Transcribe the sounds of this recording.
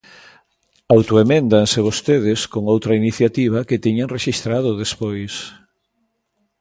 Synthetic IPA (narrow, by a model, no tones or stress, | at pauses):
awt̪oemẽnd̪aŋseβ̞ost̪eðɪskoŋowt̪ɾɐiniθjat̪iβ̞ɐket̪iɲaŋreʃist̪ɾað̞ʊðespojs